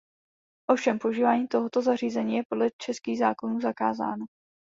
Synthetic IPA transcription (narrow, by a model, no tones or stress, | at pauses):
ʔo̞fʃɛmpouʒiːvaːɲiːt̪o̞ɦot̪o̞zariːzɛɲiːjɛpo̞dlɛt͡ʃɛskiːɣzaːko̞nuːzaka̰ːza̰ːno